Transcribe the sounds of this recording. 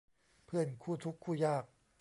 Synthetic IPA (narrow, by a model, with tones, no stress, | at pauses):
pʰɯ˥˩ənkʰuː˥˩t̪ʰu˦˥kʰːuː˥˩jaː˥˩k̚